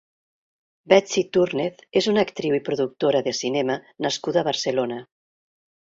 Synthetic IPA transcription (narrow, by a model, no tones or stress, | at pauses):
bɛt͡sit̪uɾneθezunəkt̪ɾiwipɾuðuk̚t̪oɾəðesinɛmənaskuðəβəɾselonə